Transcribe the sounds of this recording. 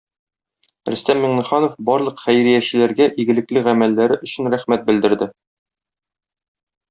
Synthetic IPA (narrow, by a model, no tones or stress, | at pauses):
ɾɘ̆st̪æmːiɴnɤ̆χɑnofbɒɾlˠɤqχæjɾijæɕɘ̆læɾɡæʔiɡɘ̆lɘ̆klɘʁæmælːæɾɘʔɵ̆ɕɘ̆nɾæχmæt̪̚bɘ̆ld̪ɘ̆ɾd̪ɘ